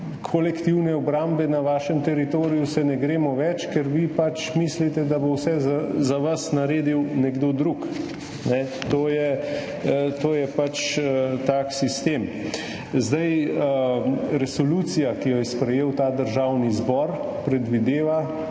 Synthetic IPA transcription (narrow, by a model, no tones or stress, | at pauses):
kʰɔlɛkt̪iwnɛɔbɾaːmbɛnaʋaːʃəmt̪ɛɾit̪oːɾijusɛnɛɡɾeːmɔʋɛt͡ʃkɛɾʋipat͡ʃmislit̪ɛd̪abowsɛzazaʋasnaɾeːd̪iwnɛɡd̪oːd̪ɾuk | nɛt̪oːjɛ | t̪oːjɛpat͡ʃt̪aksist̪em | zd̪ajəɾɛsɔluːt̪sijakijɔjɛspɾɛjeːwt̪aːd̪əɾʒaːwnizbɔɾ | pɾɛd̪ʋid̪eːʋa